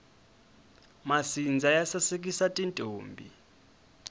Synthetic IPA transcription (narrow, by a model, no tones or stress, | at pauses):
masind͡zʱajasasek̬ʼisatʼintʼoːmbʱi